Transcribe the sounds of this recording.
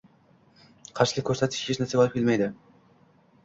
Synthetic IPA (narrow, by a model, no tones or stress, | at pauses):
qʰɑɾʃɪ̥ɡʲakʰʲɵɾsæt̪ʰɪ̥ʃeʃnæseɒlˠɯpkʲʰelʲmæjd̪ɪ